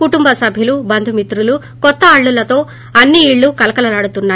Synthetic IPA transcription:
kuʈumbɐsɐbʱjilubɐnd̪ʱumit̪ɾulu | kɔt̪ːɐːɭːulɐt̪o̞ː | ɐnːiːɭːukɐlɐkɐlɐlaːɽut̪unːaː

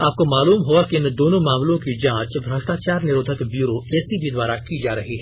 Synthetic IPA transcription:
aːp̚komaːluːmɦuakiɪnd̪oːnõmãːmlõkid͡ʒãːt͡ʃbʱɾɐʃʈaːt͡ʃaːɾnɪɾoːd̪ʱəkbjuːɾoɛːsibʱid̪waːɾakid͡ʒaːɾɐɦiɦɛː

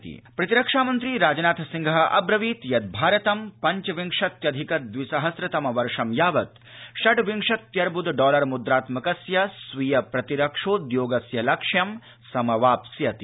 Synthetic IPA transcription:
t̪ḭpɾɐt̪iɾɐkʂaːmɐnt̪ɾiːɾaːd͡ʒɐnaːt̪ʰɐsiŋɡʱɐɐ̰bɾɐʋiːt̪jɐd̪̚bʱaːɾɐt̪ɐmpɐɲt͡ʃɐʋiŋʂɐt̪jɐd̪ʱikɐt̪̚d̪ʋisɐɦɐsɾɐt̪ɐmɐʋɐɾʂɐmjaːʋɐt̪ | ʃɐʈʋiŋʂɐt̪jɐɾbud̪ɖɔːlɐɾmud̪ɾaːt̪mɐkɐsjɐsʋijɐpɾɐt̪iɾɐkʂoːd̪joːɡɐsjɐlɐkʂjɐm | sɐmɐʋaːpsjɐt̪i

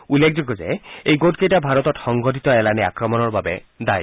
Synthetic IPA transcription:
ulːek̚ʰd͡ʒɔɡɔd͡ʒeejɡoʈkejʈabʱaɾɔt̪ɔʈsɔŋɡɔʈit̪ɔelanea̰kɾɔmɔnɔɾbabed̪aj

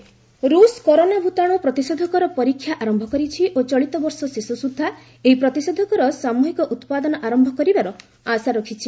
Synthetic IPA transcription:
ɾuskɔɾonabʱut̪aɽ̃upɾɔt̪isɔd̪ʱɔkɔɾɔpɔɾikʰːjaʔaɾɔmbʱɔkɔɾit͡ʃʰiʔot͡ʃɔɭit̪ɔbɔɾsɔsisusud̪ʱːa | eɦipɾɔt̪isɔd̪ʱɔkɔɾɔsamuɦikɔʔut̪pad̪ɔnɔʔaɾɔmbʱɔkɔɾibaɾɔ | asaɾɔkʰit͡ʃʰi

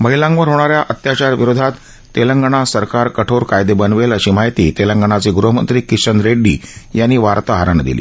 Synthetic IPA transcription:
məɦilãŋɡʋəɾɦoɽ̃aɾjaʔət̪jat͡ɕaɾʋiɾod̪ʱat̪ː | eləŋɡəɽ̃asəɾkaɾkəʈʰoɾkajd̪ebənʋeləɕiːmaɦit̪ḭːt̪eləŋɡəɳ̃at͡siːɡɾuɦəmə̰nt̪ɾiːkiɕənd̪ɾeɖːiːjanːiːʋaɾt̪əɦaɾaɳd̪ḭlḭː

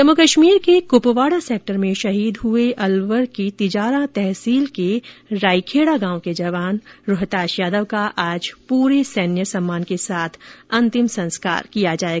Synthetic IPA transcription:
d͡ʒɐmʊkəʃmiːɾkekʊpʋaːɽaseːk̚ʈəɾmẽʃɐɦiːd̪ɦʊeʔɐlʋəɾkit̪ɪd͡ʒaːɾãt̪ɛɦsiːlkeɾaːikʰeːɽaɡãːwked͡ʒɐʋaːnɾʊɦt̪aːʃjaːd̪əʋkaʔaːd͡ʒpuːɾesɛːnjəsɐ̃mːaːnkesaːt̪ʰɐ̃nt̪ɪmsɐ̃nska̰ːɾkijad͡ʒaːeɡa

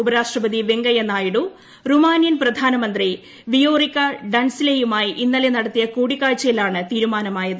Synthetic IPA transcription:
ubɐɾaːʂʈrɐbɐd̪iʋeŋɡɐjɐnːaːjiɽu | rumaːnjɐnprɐd̪ʱaːnɐmɐnd̪ri | ʋijo̞ːrikːɐɖɐnsilejumaːjiʔinːɐlenɐɽɐt̪ːijɐkuːɽikːaːɻt͡ɕːɐjilaːɳɨt̪iːɾumaːnɐmaːjɐðɨ

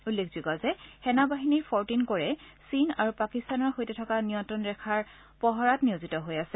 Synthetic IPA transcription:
ulːekʰz̥ikɔzɛxɛnabaɦiniɹpʰɔɹtinkoɹɛsina̰ɹupakistanɔɹxojtɛtʰɔkanijɔntɹɔnɹɛkʰaɹ | pɔɦɔɹatnijozitɔɦojasɛ

